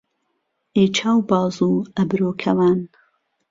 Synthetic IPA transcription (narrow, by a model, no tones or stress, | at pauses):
eːt͡ʃʰaːwbɑːzuːɐbɾoːkʰɐwaːn